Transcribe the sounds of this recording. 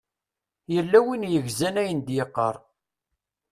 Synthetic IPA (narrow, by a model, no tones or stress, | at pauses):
jəlːæwinjəʝzænæjənd̪jəqːə̰ɾˤ